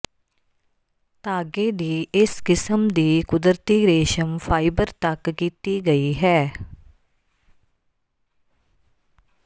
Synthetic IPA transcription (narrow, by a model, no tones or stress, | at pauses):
t̪aːɡeːd̪iːɪskɪsəmd̪iːkʊd̪əɾt̪iːɾeːʃəmfʰaːɪbəɾt̪əkːiːt̪iːɡəiːɦɛː